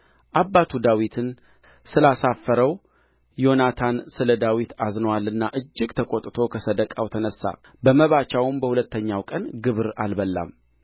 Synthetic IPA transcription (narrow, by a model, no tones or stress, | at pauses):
ʔabːat̪ʰud̪awit̪ʰɨn | sɨlasafːəɾəw | jo̞nat̪ʰansɨləd̪awit̪aznəwalːɨnːaʔɨd͡ʒːɪɡt̪ʰəkʼot̪ʼt̪ʰo̞kʰəsəd̪əkʼawt̪ʰənəsːa̰ | bəməβat͡ʃawʊmbəhulət̪ʰːəɲːawkʼənɡɨβɾa̰lbəlːa̰m